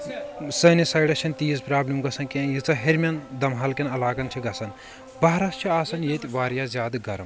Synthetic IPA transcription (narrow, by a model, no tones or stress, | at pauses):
sɐːnisaːjɽɐt͡ʃʰɐnt̪iːzpɾaːblimɡɐsɐnkẽjit͡sɐɦeɾmʲɐnd̪ɐmɦɐlkʲɐnɐlaːkɐnt͡ʃʰiɡɐsɐn | bɐɦɾɐst͡ʃʰiaːsɐnjet̪ʲʋaːɾjaːzjaːd̪ɨɡɐɾɐm